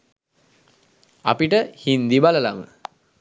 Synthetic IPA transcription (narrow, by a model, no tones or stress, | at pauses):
a̰piʈəhind̪ibaləlamə̰